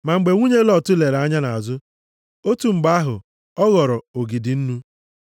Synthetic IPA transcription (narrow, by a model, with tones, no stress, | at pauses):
ma˨ŋ͡m̩˨ɡ͡be˨ŋʷu˦ɲe˦lɔ˨tʊ˦le˨ɾa˦ɲa˦na˨a˨zʊ˦ | o˦tu˨ŋ͡m̩˨ɡ͡ba˦ɦʊ̰˨ | ɔ˦ɣɔ˨ɾɔ˨o˨ɡi˨dɪ˨n̩˦nu˦